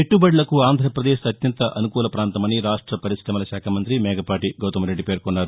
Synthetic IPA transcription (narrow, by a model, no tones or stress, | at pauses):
peʈːubɐɽlɐkuaːnd̪ʱɾɐpɾɐd̪eːʃɐt̪jɐnt̪ɐʔɐnukuːlɐpɾaːnt̪ɐmɐniɾaːʂʈɾɐpɐɾisɾɐmɐlɐʃaːkʰaːmɐnt̪ɾimɛːɡɐpaːʈiɡɐwt̪ɐmɐɾe̞ɖːipeːɾkonːaːɾu